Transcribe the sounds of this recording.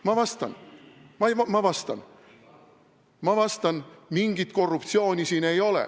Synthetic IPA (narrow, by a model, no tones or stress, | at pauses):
mɑvɑst̪ɑ̰nmɑʋɑmɑvɑst̪ɑ̰n | mɑvɑst̪ɑnmiŋɡ̥it̪ko̞rːupt̪sio̞ːnʲisiːnejo̞lḛ